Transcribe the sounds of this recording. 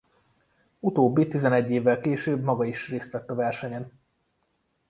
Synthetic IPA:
ut̪oːbːit̪izɛnɛɟːeːvːɛlkeːʃøːbmɒɡɒiʃreːst̪ʋɛt̪ːɒvɛrʃɛɲɛn

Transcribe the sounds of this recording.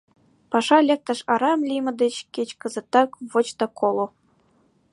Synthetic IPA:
pɑʂɑlʲek̚t̪ɤ̆ʂɑɾɑmlʲimɤ̆d̪ɘ̆t͡ɕkʲet͡ɕkɤ̆zɤ̆t̪ːɑkvot͡ɕt̪ɑkʰolˠŏ

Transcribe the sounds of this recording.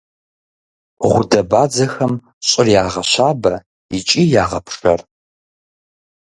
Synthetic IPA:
ʁʷʊdɐbaːd͡zɐxɐm | ɕʼɪrjaːʁɐɕaːbɐ | it͡ʃʼiːjaːʁɐpʰʂɐ̰r

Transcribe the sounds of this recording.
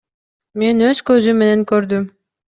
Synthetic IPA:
me̞nøz̥køzymːeneŋkøɾd̪ym

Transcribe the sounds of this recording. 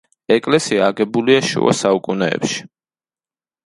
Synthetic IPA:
ɛkʼlɛsiaːɡɛbuliaʃṵa̰saukʼunɛ̰ːpʃi̥

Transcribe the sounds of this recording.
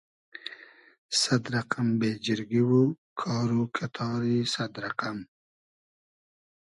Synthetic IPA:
sad̪ɾaqambed͡ʒɪɾɡiwu | kʰɑːɾukʰat̪ʰɑːɾisad̪ɾaqam

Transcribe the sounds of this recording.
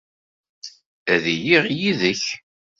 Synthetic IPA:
æðijiʁjiðəç

